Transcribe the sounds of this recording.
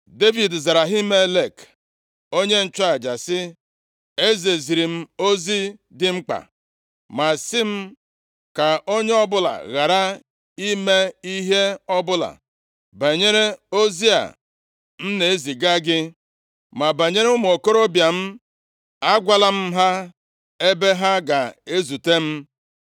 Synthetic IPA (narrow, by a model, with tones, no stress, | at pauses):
de˦vi˨dza˨ɾa˨ɦi˦me˦le˨k | o˦ɲe˦n̩˦t͡ʃa˦a˨d͡ʒa˨sɪ˦ | e˦ze˨zi˨ɾi˨m̩˦o˦zi˦dɪ˦ŋ͡m̩˦k͡pa̰˨ | ma˨sɪ˦m̩˦ | ka˨o˦ɲe˦ɔ˦bʊ˦la̰˨ɣa˨ɾa˦ | i˦me˦i˦ɦe˦ɔ˦bʊ˦la̰˨ | ba˨ɲe˦ɾe˦o˦zi˦a̰˨ | n̩˦ne˨e˦zi˨ɡa˦ɡɪ˦ | ma˨ba˨ɲe˦ɾe˦ʊ˦m˨o˨ko˦ɾo˦bja˨m̩˦ | a˦ɡʷa˦la˦m̩˦ɦa˦ | e˦be˦ɦa˦ɡa˨e˦zu˨te˦m̩˦